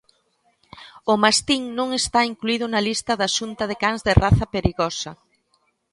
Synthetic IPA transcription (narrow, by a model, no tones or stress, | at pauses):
ʊmast̪iŋnõŋest̪aiŋkluiðʊnɐlist̪ɐðaʃunt̪ɐðekaŋzðɪraθɐpeɾiɣɔsɐ